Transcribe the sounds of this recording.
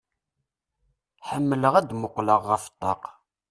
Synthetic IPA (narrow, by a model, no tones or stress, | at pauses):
ħəmːələʁæd̪mʊqːləʁːəft̪ˤːɑq